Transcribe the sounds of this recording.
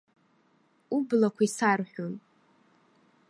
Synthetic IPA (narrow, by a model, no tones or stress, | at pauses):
ublakʷʰaisarħʷᶣon